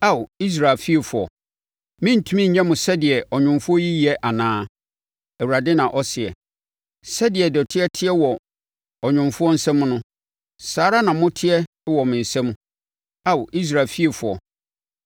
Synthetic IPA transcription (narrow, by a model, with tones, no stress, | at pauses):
a˦˨wi˦s̬ɾa˨lfi˦e˨fʊ˨ɔ̰˨ | mɪ̃˦n̩˨tʰũ˦mĩ˦ɲ̩˨ɲɛ̃˦mʊ̃˨sɛ˦dɪ˨ɛ˨ʔɔ˨ɲᶣʊ̃˨mfʊ˦ɔ˦ji˦ji˨ɛ˦ʔa˨nãː˦ | ɛ˨wu˨ɾa˨dɪ˦nã˨ʔɔ˦sɪ˨ɛ̰˨ | sɛ˦dɪ˨ɛ˨dɔ˨tʰɪ˦ɛ˦tʰɪ˦ɛ˦wɔ˨ | ɔ˨ɲʊ̃˨mfʊ˦ɔ˦n̩˦sɛ̃˦m̃˦nʊ̃˦ | saː˨˦ɾa˦nã˨mʊ̃˦tʰɪ˦ɛ˦ | wɔ˨mɪ̃˨n̩˨sɛ̃˦m˦ | a˦˨wʔi˦s̬ɾa˨lfi˦e˨fʊ˨ɔ̰˨